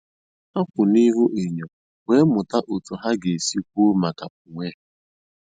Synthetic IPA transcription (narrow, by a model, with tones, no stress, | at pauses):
a˦kʷʊ˨ni˦ɦʊ˦ʔe˨ɲo˨ | we˦mʊ˨ta˦ʔo˨tu˨ɦa˦ɡe˨si˦kʷu˦ma˨ka˨p̚ʊ˨ŋʷe˦